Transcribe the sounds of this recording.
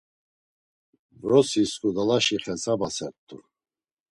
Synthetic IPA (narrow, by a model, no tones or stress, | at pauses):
vɾɔsiskʼud̪alaʃiχɛt͡sʰʼabasɛt̪ʰʼːṵ